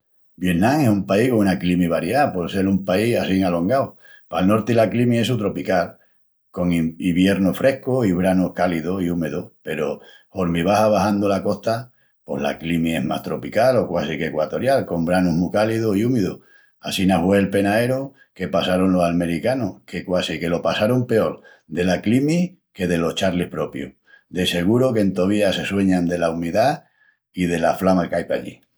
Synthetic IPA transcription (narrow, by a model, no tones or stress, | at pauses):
bje̞nãŋesumpaihkounaklimiβaɾjapoðse̞lumpaiasiŋalo̞ŋɡaw | palno̞ɾt̪ilaklimiesut̪ɾo̞pikal | ko̞ŋiβje̞ɾnofɾʔe̞hkoiβ̞ɾanohkaliðoiumeðope̞ɾo | hoɾmiβ̞aɦaβahand̪olako̞ht̪a | po̞̰hla̰klimie̞̰ɦma̰ht̪ɾo̞pikalo̞kwasikekwat̪o̞ɾjalko̞mbɾanuɦmukaliðoiumeðo | asinahweːlpe̞nae̞ɾo | ke̞pasaɾonlo̞salme̞ɾikanohke̞kwasike̞lo̞pasaɾompe̞o̞ɾ | d̪e̞laklimi | ke̞ðe̞lo̞ht͡ʃaɾlihpɾo̞pjṵ | d̪e̞se̞ɣ̞uɾokent̪oβiase̞swe̞ɲãnd̪e̞laumiða | ið̞e̞laflamalkajpa̰ʎḭ